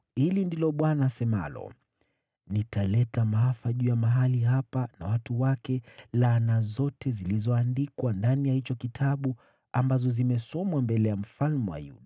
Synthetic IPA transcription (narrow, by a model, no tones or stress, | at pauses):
hilindilɔɓwanaːsɛma̰lɔ̰ | nitalɛtamaafaʄujamaɦaliɦapanawatuwakɛlanazɔtɛzilizɔandikwandanijahit͡ʃɔkitʰaɓu | ambazɔzimɛsɔmwambɛlɛjam̩falmuwa̰jṵɗa